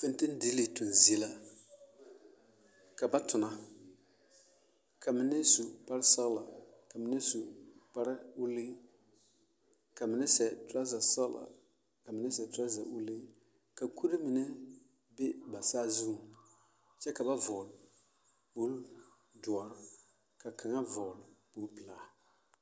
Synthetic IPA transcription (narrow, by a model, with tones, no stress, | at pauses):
fe˦n˦tɪ˦n˦di˨˦li˨tʊ˨nzi˨ɛ˦la˦ | ka˨ba˦tʊ˨na˨ | ka˨mɪ˦nɪ˦su˨pa˦ɾɪ˦sa˦ɣla˨ka˨mɪ˦nɪ˦su˨k͡pa˦ɾɪ˦u˦li˦ | ka˨mɪ˦nɛ˦sɛ˨tɾa˦za˨sa˦ɣla̰˨ | ka˨mɪ˨nɛ˦sɛ˨tɾa˦za̰˨ṵ˦le˦ | ka˨kʰu˦ɾi˦mɪ˨nɛ˦ | be˦ba˨saː˦zu˦˨ | t͡ʃɛ˦ka˨ba˦vɔː˨l | bo˦ | dʊ˨ɔ˨ɾ | ka˨kʰa˨ŋa˦vɔ˨lbo˦pɪ˨laː˨˦